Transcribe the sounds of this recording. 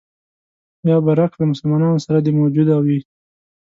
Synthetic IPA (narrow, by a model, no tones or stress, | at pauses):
bjɑbaɾaklamʊsəlmɑnɑnosaɾad̪emawd͡ʒud̪awi